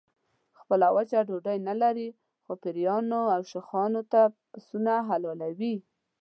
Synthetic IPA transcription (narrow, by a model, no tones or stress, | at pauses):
xpəlawət͡ʃaɖoɖajnalaɾi | xopɪɾjɑnoawʃɪxɑnot̪apsunaɦalɑlawi